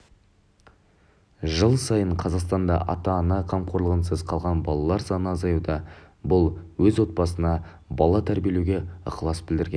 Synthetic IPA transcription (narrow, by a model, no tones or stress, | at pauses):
ʒəlˠsɑjəɴqʰɑzɑqst̪ɑnd̪ɑ̰ʔɑ̰t̪ɑnɑqʰɑmqʰo̞ɾlˠəʁənsəzqʰɑlˠʁɑnbɑlˠɑlˠɑɾsɑnəɑzɑjud̪ɑ | bʊlˠwɵzwo̞t̪̚bɑsənɑ | bɑlˠɑt̪ʰæɾbʲijelewɡʲe̞ə̰qəlˠɑsbɪld̪ɪɾɡʲen